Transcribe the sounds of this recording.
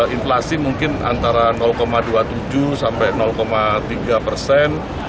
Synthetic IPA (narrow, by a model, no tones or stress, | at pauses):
inflasimuŋkɪna̰nt̪aɾanɔlkomaduat̪ud͡ʒusampɛnɔlkomat̪iɡapərsɛn